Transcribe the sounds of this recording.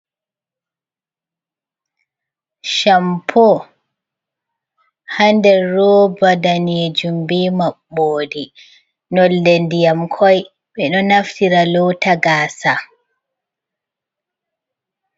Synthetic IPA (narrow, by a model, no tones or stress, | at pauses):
ʃampʰɔ | handɛɾɔbadaned͡ʒumbimaɓːoːdi | nɔlːendijamkʰɔj | ɓɛɗɔnaftiɾalɔwtaɡaːsa